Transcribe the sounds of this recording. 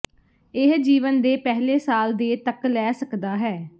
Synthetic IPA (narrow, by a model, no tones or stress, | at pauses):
ɪɦd͡ʒiːʋənd̪eːpɛɦleːsaːld̪eːt̪əklɛːsəkd̪aːɦɛː